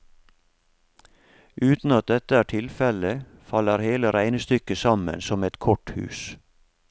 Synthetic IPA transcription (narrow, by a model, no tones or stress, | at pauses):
ʔʉːt̪n̩ɑt̪̚d̪ɛt̪əæːʈʰɪlfɛlə | fɑləɾheːləɾæɪnəst̪ʏkəsɑmə̰nsɔmɛt̪kʰɔʈhʉ̰ːs